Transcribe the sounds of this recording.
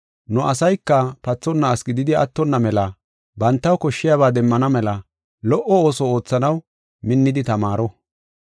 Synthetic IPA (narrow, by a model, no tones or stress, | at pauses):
nʊʔɐsɐjkːɐpɐt͡sːɔnːɐːsɡɪd̪ɪd̪ɪɐ̰t̪ːɔnːɐmɛlɐ | bɐnt̪ːɐwkɔʃːɪjaβaːd̪ɛmːɐnɐmɛlɐ | lɔʔɔoːsɔo̞ːt͡sːɐnɐw | mɪnːɪd̪ɪt̪ɐmaːɾɔ